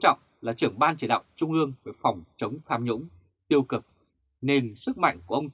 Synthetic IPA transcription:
t͡ɕɔ̰˧˨wŋ͡m | laː˨˩t͡ɕɨ˧˩əŋɓaː˧nt͡ɕi˧˩ɗa̰ː˧˨wŋ͡mt͡ɕʊ˧ŋ͡mʔɨ˧əŋvəː˧˩fɔ˨˩wŋ͡mt͡ɕə˨˦wŋ͡mt̪ʰaː˧mɲʊ̰˧˥ŋ͡m | t̪i˧əwkɨ˨˩k̚ | ne˧nsɨ˦˥k̚ma̰˧˨jŋku˧˩əʔə˧ŋ͡m

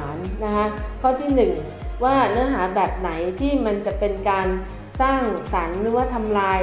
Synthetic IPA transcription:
nːa˦˥kʰa˦˥kʰɔː˥˩t̪ʰiː˥˩nɯ˨˩ŋ | waː˥˩nɯ˦˥ɐɦaː˩˦bɛː˨˩p̚na˩˦jt̪ʰiː˥˩ma˧nt͡ɕa˨˩pe˧nkaː˧n | saː˥˩ŋsa˩˦nɾɯː˩˦waː˥˩t̪ʰa˧mlaː˧j

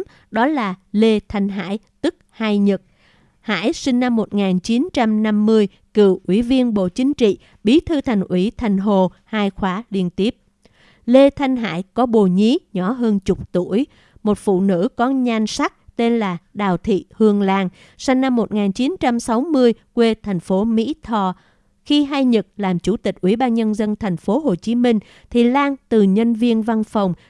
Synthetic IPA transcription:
ɗɔ˨˦laː˨˩le˧t̪ʰa˧jŋ̟ɦa̰ː˧˥˨jt̪ɨ˦˥k̚haː˧jɲɨ˨˩k̚ | ha̰ː˧˥˨jsï˧ŋ̟na˧mːo˨˩t̚ŋaː˨˩nt͡ɕi˨˦nt͡ɕa˧mna˧mːɨ˧əj | kɨ˧˩˨wʔwi˧˩vi˧ənɓo̰˧˨t͡ɕï˨˦ŋ̟t͡ɕḭ˧˨ | ɓi˨˦t̪ʰɨ˧t̪ʰa˨˩jŋ̟ʔwi˧˩t̪ʰa˨˩jŋ̟ɦo˨˩haː˧jxwaː˨˦li˧ənt̪i˦˥əp̚ | le˧t̪ʰa˧jŋ̟ɦa̰ː˧˥˨jkɔ˨˦ɓo˨˩ɲi˨˦ɲɔ˧˩ɦəː˧nt͡ɕʊ˨˩k͡p̚t̪u˧˩əj | mo˨˩t̚fṵ˧˨nɨ̰˧˥kɔ˨˦ɲa˧ŋsa˦˥k̚t̪e˧nlaː˨˩ɗaː˨˩wt̪ʰḭ˧˨hɨ˧əŋlaː˧ŋ | sa˧ŋ̟na˧mːo˨˩t̚ŋaː˨˩nt͡ɕi˨˦nt͡ɕa˧msa˨˦wmɨ˧əjkwe˧t̪ʰa˨˩jŋ̟fo˨˦mḭ˧˥t̪ʰɔ˨˩ | xi˧ɦa˧jɲə˨˩t̚laː˨˩mt͡ɕu˧˩t̪ï˨˩k̟̚ʔwḭ˧˩ɓaː˧nɲə˧nzə˧nt̪ʰa˨˩jŋ̟fo˨˦ɦo˨˩t͡ɕi˨˦mï˧ŋ̟ | t̪ʰi˨˩laː˧ŋt̪ɨ˨˩ɲə˧nvi˧ənva˧nfə˨˩wŋ͡m

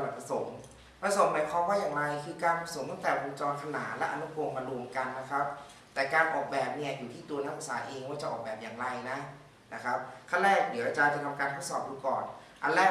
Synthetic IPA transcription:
la˨˩pʰa˧so˩˦ŋ | pʰa˧so˩˦mmaː˨˦jkʰɔː˦˥mwaː˥˩jaː˨˩ŋɾa˧jkʰɯː˧kaː˧nppʰa˧so˨˩˦ŋt̪a˥˩t̪ɛː˨˩boː˧nt͡ɕɔː˧nkʰa˧naː˩˦t̪lɛ˦˥ʔa̰˧nu˦˥kʰoː˧ŋmaː˧ɾu˧əmka˧nːa˦˥kʰa˦˥p̚ | t̪ɛː˨˩kaː˧nʔɔː˨˩k̚bɛː˨˩p̚ni˥˩ɐjuː˨˩t̪ʰiː˥˩t̪u˧ɐna˦˥ʔuː˨˧˥saː˩˦ʔeː˧ŋwaː˥˩t͡ɕa˨˩ʔɔː˨˩bɛː˨˩p̚jaː˨˩ŋɾa˧jna˦˥ | na˦˥kʰa˦˥p̚kʰa˥˩nɾɛː˥˩k̚dɯ˨˩˦t͡ɕa˧jt͡ɕa˨˩t̪ʰa˧mkaː˧nt̪ʰo˦˥t̚sɔː˨˩p̚juː˧˩kɔː˨˩n | ʔa˧nlɛ˦˥

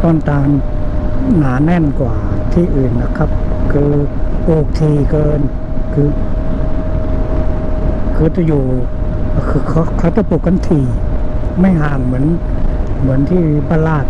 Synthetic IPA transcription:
t̪ɔː˧˩nt̪aː˧ŋ | naː˨˦nɛ˧˥˨nkwaː˨˩t̪ʰiː˧˩ʔɯː˨˩nːa˧˩kʰa˦˧˥p̚kʰɯː˧poː˧˩k̚t̪ʰiː˧˩kɤː˧n | kʰɯː˧ | kʰɯː˧˦t̪a˧˩juː˨˧˩ | kʰɯ˧kʰa˧˥kʰa˧˦wt̪a˧˦puː˧˩kːa˧˨nt̪ʰiː˧˩ma˥˩jɦaː˨˩ŋmɯ˩˦ən | mɯ˩˦ənt̪ʰiː˧˥˩baː˧laː˧˩t̪̚

